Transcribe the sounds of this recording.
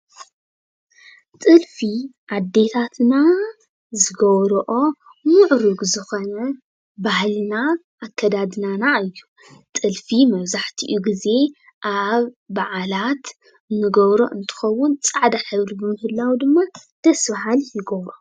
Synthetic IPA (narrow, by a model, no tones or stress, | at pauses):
t̪ʼɨlfiʔad̪ːe̞t̪ʰat̪na | zɨɡɐβɾɔʔo̞ | muʕɾuɡzɨxonɐ | bahlina | ʔːkʰːɐd̪ad̪nanaɨjːu | t̪ʼɨlfimɐβzaħt̪ʰḭʔuɡize̞ | ʔaβːaʕalat̪ | nɨɡɐβɾo̰ʔɨnt̪ʰɨ̥xɐwːʊnt͡sʼaʕd̪aħɨβɾibɨmɨhɨlːawd̪ɨmːad̪̥ɐsbaɦaljɪɡɐβɾo